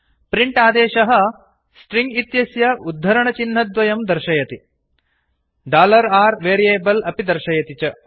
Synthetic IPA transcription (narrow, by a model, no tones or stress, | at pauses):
pɾiɳʈaːd̪eːʃɐɦɐ̆ | sʈɾiŋɡit̪jɐsjɐud̪ʱːɐɾɐɳɐt͡ʃinːɐd̪ʋɐjɐmd̪ɐɾʃɐjɐt̪i | ɖaːlɐɾaːɾʋeːɾieːbɐlɐpid̪ɐɾʃɐjɐt̪it͡ʃɐ